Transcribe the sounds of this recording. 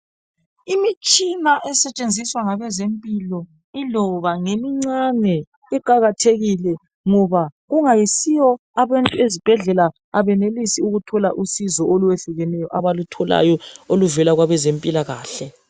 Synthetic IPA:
imit͡ʃʼinaʔɛsɛt͡ʃʼend͡zʱiswaŋaβɛzempʼilɔ | ilɔβaŋemiŋ͡ǀanɛ | iǃaɣatʰeɣilɛ | ŋɔβaɣuŋajisijɔ | aβantʼuezib̥ʱɛɮɛlaː | βɛnelisiuɣutʰɔla̰ʔusizɔoluwɛɬuɣɛnɛjɔʔaβalutʰɔla̰jɔoluvɛlaɣwaβɛzempʼilaɣaːɬɛ

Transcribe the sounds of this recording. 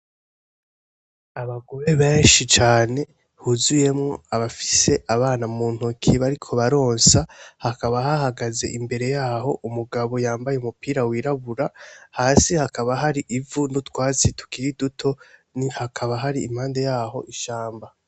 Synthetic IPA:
aβaɡo̞ɾe̞βeːnʃit͡ʃaːne̞ | huzuje̞mŋoaβafi̥se̞ʔaβaːnamuːn̥ukʰiβaɾikʰo̞βaɾo̞ːnsahakaβahahaɡaze̞̰ʔimbe̞ɾe̞jaːho̞ʔumuɡaβo̞jaːmbajeumupiːɾawiːɾaβuɾahaːsihakaβaɦaɾiʔivunutwaːt͡situ̥kiɾidutʰo̞nihakʰaβaɦaɾiːm̥haːnde̞jaːho̞ʔiʃaːmba

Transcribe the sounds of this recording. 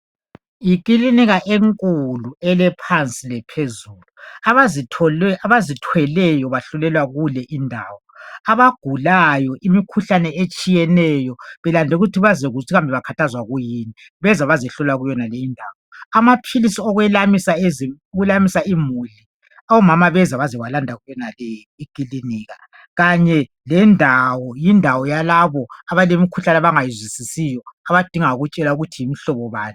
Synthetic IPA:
jik̬ʼiliniɣaʔeŋkʼuluɛlɛpʰant͡sʼilɛpʰezuːluaaiɔɛaβazitʰwɛlɛjɔβaɬulɛlwaɣulɛʔindʱa̰ːwɔaβaɡ̥ʱulajɔʔimikʰuɬanɛet͡ʃʼijɛnɛjɔβɛlandʱɛuɣutʰiβazɛɣutʰiɣambʱɛβakʰatʰazwaɣujiːni | βɛzaβazɛɬɔlaɣujɔnalejindʱawɔamapʰilisiɔɣwɛlamisaeziuɣulamisaimuɮi | awɔmamaβɛzaβazɛwalandʱaɣujɔnalɛ | iɡ̥ʼiliniːɣa | ɣaɲɛ | lɛndʱawɔjindʱawɔjalaβɔaβalemikʰuɬanaβaŋajizwisisijɔaβad̥ʱiŋauɣut͡ʃʼɛlauɣutʰijimiɬɔβɔβaːnɛ

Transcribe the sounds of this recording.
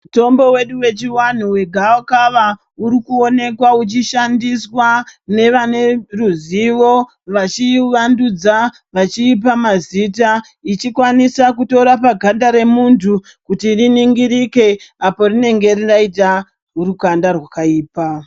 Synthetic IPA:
muto̞mbo̞we̞ɗuwe̞t͡ʃiwan̤uwe̞ɡʱaokaʋa | uɾikuo̞ne̞kwaut͡ʃiʃandiswane̞ʋane̞ruziʋo̞ | ʋat͡ʃiʋandud͡za | ʋat͡ʃiːp̬amaziːt̬a | it͡ʃikwanisakuto̞ɾapaɡʱandaɾe̞muntʰu | kutiriniŋɡiɾike̞apo̞rine̞ŋɡe̞riraita | ɦuɾukandarwakaiːpa

